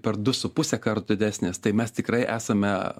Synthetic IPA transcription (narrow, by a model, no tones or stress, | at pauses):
pʲɛrd̪ʊsʊpʊsʲɛkɐrt̪ʊd̪ʲɪd̪ʲæːsʲnʲeːst̪ɐɪmʲɛst̪ʲɪkɾɐɪʔæːsɐmʲɛ